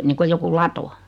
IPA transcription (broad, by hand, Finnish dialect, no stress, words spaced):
niːŋkoj joku lɑto